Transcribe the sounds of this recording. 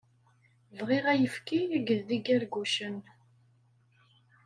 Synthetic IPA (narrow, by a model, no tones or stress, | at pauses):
vʁiʁæjəfkiɡəððiɡæɾɡuʃən